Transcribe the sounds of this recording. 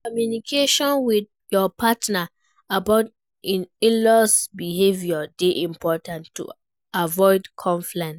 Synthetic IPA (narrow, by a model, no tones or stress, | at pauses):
kɔmjunikʰeʃɔ̃nwid | jɔpʰatna | abaʊt | ĩnlɔsbihevjɔdeʔĩmpʰɔtãntːṵ | avɔɪdkʰɔ̃ɱflɛ̃nt